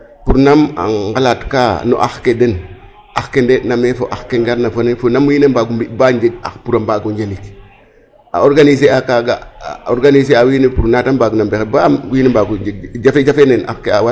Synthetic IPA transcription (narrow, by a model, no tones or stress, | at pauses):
puɾnama̰ŋŋɡalatkano̰ʔa̰xkeden | axkendenamefoʔaxkeŋɡaɾnafonefonamwinembaɡumbibaɲd͡ʒeɡ̚a̰xpuɾambaɡuɲd͡ʒelik | a̰oɾɡanis̬eakaɡaoɾɡaniseawinepuɾnatambaɡunambexebaɡinembaɡud͡ʒeɡ̚d͡ʒafed͡ʒafenena̰xkeawa